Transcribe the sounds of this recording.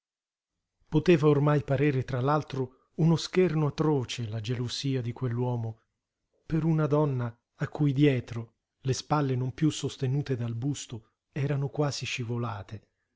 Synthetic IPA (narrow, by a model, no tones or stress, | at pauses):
pot̪eːvaormajpaɾeːɾet̪ɾalalt̪ɾo | unoskernoat̪ɾoːt͡ʃelad͡ʒeloziːad̪ikwelːwɔːmo | peɾunad̪ɔnːaː | kːujd̪jɛːt̪ɾo | lespalːenompjusost̪enuːt̪ed̪albust̪o | ɛːɾanokwaːziʃivolaːt̪e